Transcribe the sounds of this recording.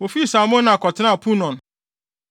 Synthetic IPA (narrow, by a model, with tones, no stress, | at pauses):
wo˨fi˦˨sa˨˦mʊ̃˦nã˨kɔ˨tʰɪ˦nã˦˨pʰu˦nɔ̃˨n